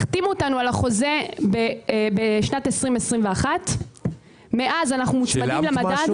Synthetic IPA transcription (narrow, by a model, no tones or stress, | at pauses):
χt̪imuotanualaχo̞ze̞bebeʃnatesʁimesʁimveaχat | meʔazanaχnumut͡ʃmadimlemada